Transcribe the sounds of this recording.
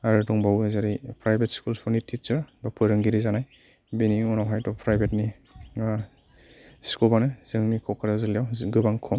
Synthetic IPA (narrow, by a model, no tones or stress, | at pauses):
aɾɯdɔŋbawezaɾijpʰɾajbetskulspɔnitʰit̚t͡ʃɯɾbapʰɯɾɯŋɡiɾizanaj | beniɔnawɦajtɔpʰɾajbet̚ni | skulbanɯz̥ɯŋnikʰɔkʰaɾazɯlijawɡɯbaŋkʰɔm